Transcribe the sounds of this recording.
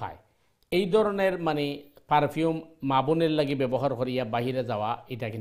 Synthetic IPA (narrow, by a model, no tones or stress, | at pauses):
a̰j | ejd̪ʱɔɾɔneɹmanepaɾpʰiumːabuneɹlaɡibɛbɔɦaɾkoɾijabaɦiɾezawaejtakʰin